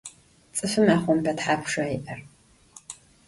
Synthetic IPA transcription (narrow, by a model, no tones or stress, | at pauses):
t͡sʼɨfɨmaːχʷɔmpʰɐtħaːpʰʷʂɐiʔɐr